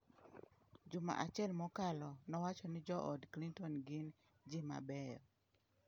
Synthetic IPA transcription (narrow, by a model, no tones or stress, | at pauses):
d͡ʒʊma̰ʔat͡ʃɛlmɔkalɔnɔwat͡ʃɔnɪd͡ʒɔʔɔdklintɔnɡɪn | d͡ʒɪma̰bɛjɔ